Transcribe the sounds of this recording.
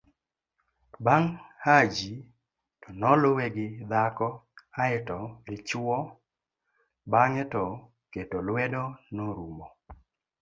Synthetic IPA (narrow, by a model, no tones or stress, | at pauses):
baŋhad͡ʒi | tɔnɔlowɛɡɪd̪akɔaɛtɔɡɪt͡ʃɔ | baŋɛtɔ | ketɔlwɛdɔnɔɾumɔ